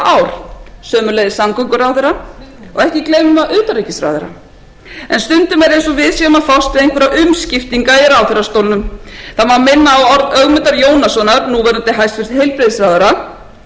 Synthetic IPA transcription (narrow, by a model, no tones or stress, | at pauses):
aːwɾ̥sœːmʏlɛjðɪsamkɔŋkʏɾawθeɾːaɔɣɛhcɪkleːjmʏmaʔʏːt̪aɾejcɪsɾa̰jðɛɾa̰ | ɛnst̪ʏnt̪ʏmɛɾejnsɔvɪðsjɛːmaðfawst̪vɪðejŋkʰvɛɾaʔʏmscɪft̪iŋkaɛɾawθerːast̪owlnʏmθaðmawmɪnːaːwɔɾðœɣmʏnt̪aɾjoːwnasɔnaɾnuvɛɾʏnt̪ɪɦajst̪fɪɾɪ̥st̪hejlpɾɪðɪsɾajðʏɾa